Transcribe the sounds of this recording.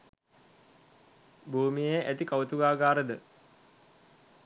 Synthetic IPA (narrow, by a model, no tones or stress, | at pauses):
bʱuːmijejʔæt̪ikawut̪uɡaːɡaːɾəd̪ə